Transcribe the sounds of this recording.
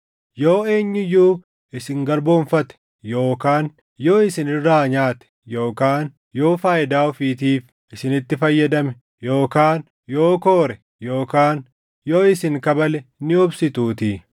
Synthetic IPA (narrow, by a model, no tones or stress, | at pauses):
joːe̞ːɲːɪjuː | ɪsɪŋɡɐɾboːɱfɐt̪ɛ̥ | joːkaːn | jo̞ːɪsɪnɪrːaːɲaːt̪ɛ̥jo̞ːkaːn | jo̞ːfaːjɪd̪aːɔfiːt̪iːf | ʔɪsɪnɪt̪ːɪfɐjːɐd̪ɐmɛ | joːkaːn | jo̞ːkoːɾɛ | joːkaːn | jo̞ːɪsɪŋkɐbɐlɛnɪɔbsɪt̪uːt̪iː